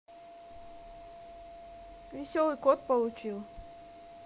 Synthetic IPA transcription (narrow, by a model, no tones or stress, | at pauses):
vʲɪsʲɔlˠɨkɔt̪̚pɐlˠut͡ɕilˠ